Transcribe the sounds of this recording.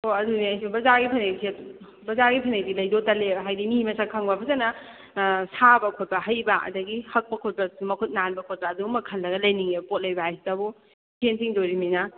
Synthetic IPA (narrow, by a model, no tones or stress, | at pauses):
hoɐduniɐjsibɐzaɾɡipʰɐnesʰiɐu | bɐzaɾɡipʰɐnej̚dilɐjdotɐleɦajdimimɐsakʰaŋbabɐzanɐ | sabɐkʰot̚bɐɦɐjbɐɐ̰dɐɡihɐk̚pɐkʰot̚badusumɐkʰut̚nanbɐkʰot̚baːdumɐkʰɐlːɐɡɐlɐjniŋepot̚lɐjbɐhajsi̥tɐbo | kʰensiŋdoɾimina